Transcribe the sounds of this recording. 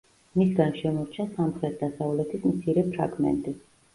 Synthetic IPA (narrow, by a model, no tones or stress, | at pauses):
misɡanʃɛmɔɾt͡ʃʰasamχɾɛt̪̚ʰd̪asavlɛt̪ʰismt̪sʰiɾɛpʰɾa̰ɡmɛ̰nt̪ʼi